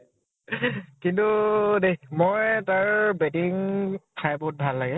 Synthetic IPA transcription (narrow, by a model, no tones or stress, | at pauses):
kintunemɔjtaɹbetiŋtʰajbot̚bʱalːaɡɛ